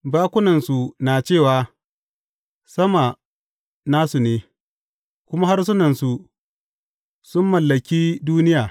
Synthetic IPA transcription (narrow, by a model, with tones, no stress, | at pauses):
baː˦kʷʊ˦nɐ˨nsu˨naː˨t͡ʃeː˦˨waː˨ | sɐ˦ma˨ | naː˦su˨neː˨ | kʷʊ˦ma˦ha˦rs̬ʊ˦nɐ˨nsu˨ | sʊ˦mːɐ˨lːɐ˨kʲiː˦duː˦nɪ˦jaː˨